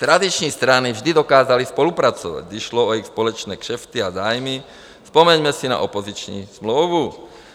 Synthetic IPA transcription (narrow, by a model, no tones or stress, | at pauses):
t̪ɾad̪it͡ʃɲiːst̪ɾanivʒd̪id̪ɔkaːzalispɔlupɾat͡sɔʋa̰ɟiʃlɔɔixspɔlɔt͡ʃnɛːkʃɛft̪iazaːjmi | spɔmɛɲmɛsina̰ʔɔpɔzit͡ʃɲḭsmlɔːʋu